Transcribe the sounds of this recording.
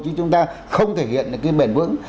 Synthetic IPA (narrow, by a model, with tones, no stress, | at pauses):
t͡ɕɨ˧˦t͡ɕʊ˨˦ŋ͡mt̪aː˧ | xə˧wŋ͡mt̪ʰe˧˩hḭ˧˨ənːɨ˨˩kːaː˨˦jɓe˧˩nvɨ̰˧˥əŋ